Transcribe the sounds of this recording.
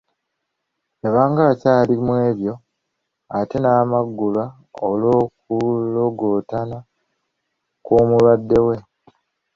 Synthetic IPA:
eβaːŋɡaβacaːlimwe̞ːβjo̞ | ate̞naːmaɡːula | olo̞ːkuloɡoːtana | kuːmuladːe̞we̞

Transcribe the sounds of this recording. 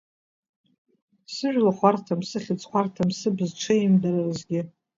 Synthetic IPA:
sɨʒʷᶣlaχʷartʰamsɨχʲɪt͡sʼχʷartʰamsɨbzʈ͡ʂʷʰaɪmdaɾarzɡʲɪ

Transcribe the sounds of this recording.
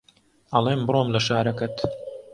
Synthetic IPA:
ɐlˠeːmbɾoːmlɐʃaːɾɐkɐt̪

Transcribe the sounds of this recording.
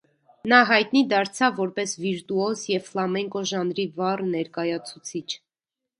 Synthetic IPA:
nɑɦɑjt̪nid̪ɑɾt͡sʰɑvːɔɾpɛsviɾt̪uɔsjɛvflɑmɛŋkɔʒɑnɾivɑrnɛɾkɑjɑt͡sʰut͡sʰit͡ʃʰ

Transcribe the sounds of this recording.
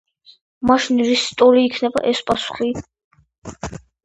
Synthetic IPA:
maʃinɾist̪ʼɔɾiːkʰnɛba̰ʔɛspʼasu̥χi

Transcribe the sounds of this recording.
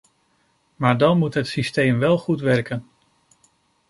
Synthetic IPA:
maːɹdɑnmutɦətsistejmʋɛlˠχutʋɛɹkən

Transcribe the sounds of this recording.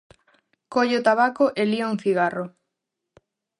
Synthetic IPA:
koʎeot̪aβakoʔelioŋθiɣaro

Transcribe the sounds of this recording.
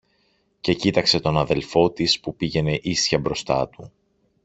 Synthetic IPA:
ce̞cit̪ɐkse̞t̪o̞nɐðe̞lfo̞t̪ispupiʝe̞ne̞ʔisçɐbɾo̞st̪ɐ̰t̪u

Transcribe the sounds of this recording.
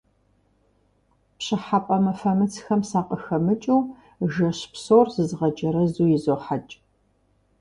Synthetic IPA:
pɕɪħapʼɐmɐfɐmɨt͡sʰxɐmsaːqʼəxɐmɨt͡ʃʼuw | ʒɐɕpsoːrzɨzʁɐd͡ʒɐɾɐzuːjɪzoːħat͡ʃʼ

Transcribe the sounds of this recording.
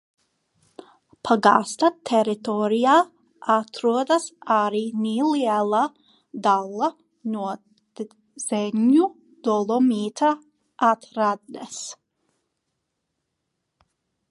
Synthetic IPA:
pʰaɡa̰ːst̪at̪ʰɛɾit̪ɔɾijaː | at̪ɾuɔd̪ɐsaɾiːniliɛlˠa | d̪alˠːa | nuɔ | z̥ɛɲu | d̪̥ɔlˠɔmiːt̪ʰa | at̪ɾad̪nɛs

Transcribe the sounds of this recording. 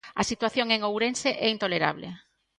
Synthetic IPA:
asit̪waθjoŋeŋowɾenseʔɛint̪oleɾa̰βlḛ

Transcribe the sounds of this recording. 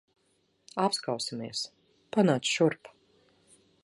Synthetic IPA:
apskawsimiɛs | panaːt̪sʃuɾpḁ

